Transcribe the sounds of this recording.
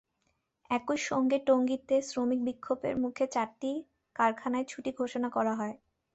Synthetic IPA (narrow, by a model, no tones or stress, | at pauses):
ɛkojʃoŋɡeʈoŋɡit̪ːesɾomik̚bikʰːobḛɾmukʰet͡ɕaɾʈi | kaɾkʰanaet͡ɕʰuʈiɡʱoʃonakɔɾaɦɔe